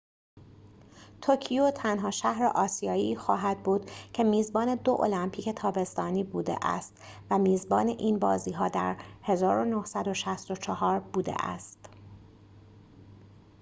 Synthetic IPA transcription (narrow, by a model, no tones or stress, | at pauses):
t̪ʰocʰijot̪ʰænɦɒːʃæhɾḛʔɒːsijɒːiːxɒːɦæd̪̚buːd̪̥cʰe̞miːzbɒːne̞d̪o̞ʔo̰læmpʰiːcʰe̞t̪ʰɒːbe̞st̪ɒːniːbuːd̪ḛʔæ̰st̪væmiːzbɒːne̞ʔiːnbɒ̰ːziːɦɒːd̪æ̰ɾhe̞zɒːɾo̞nohsæd̪o̞ʃæst̪o̞t͡ʃʰɒhɒːɾbuːd̪e̞̰ʔæ̰st̪